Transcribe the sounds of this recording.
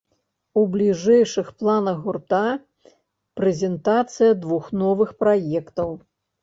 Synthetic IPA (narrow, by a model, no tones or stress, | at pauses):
ublʲiʐɛjʂɨxplˠanɐɣɣːurt̪a | pɾɛzʲɛnt̪at̪sɨjɐd̪vuxnɔvɨxpɾajɛkt̪ɐw